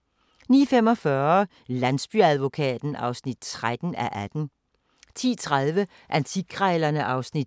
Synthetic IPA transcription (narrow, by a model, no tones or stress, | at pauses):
nḭːfem̰ɒ̽fɶɐ | lænsb̥yæð̞ˠʋo̝kʰɛ̰ːd̥n̩ɑ̈ʊsnid̥̚t͡sʰʁad̥n̩æʔæd̥n̩ | t͡sʰḭːt͡sʰʁaðˠʋə | ʔænt͡sʰiɡ̥ʰʁɛːlɐnəʔɑ̈ʊsnid̥̚